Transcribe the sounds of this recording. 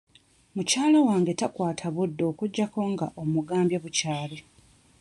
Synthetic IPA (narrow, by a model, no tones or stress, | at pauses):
mucaːlawaːŋɡetakwaːtʰaβudːo̞ːkuɟːako̞ŋɡaʔo̞muɡaːmbjeβucaːle